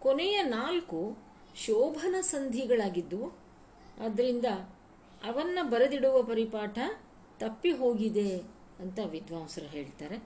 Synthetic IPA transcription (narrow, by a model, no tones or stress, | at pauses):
konejɐnaːlku | ʃɔːbʱɐnɐsɐnd̪ʱiɡɐɭaːɡid̪ːu | ɐd̪ɐɾind̪ɐ | ɐʋɐnːɐbɐɾɐd̪iɽuʋɐpɐɾipaːʈʰɐ | t̪ɐpːiɦoːɡid̪e̞ | ɐnt̪ɐʋid̪ʱʋaːmsɐɾɐɦe̞ːɭt̪aːɾe̞